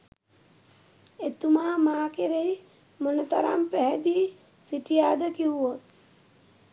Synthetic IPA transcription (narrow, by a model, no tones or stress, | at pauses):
et̪umaːmaːkeɾej | monət̪aɾa̰mpæɦɛd̪iː | siʈijaːd̪əkiɦuʋot̪̚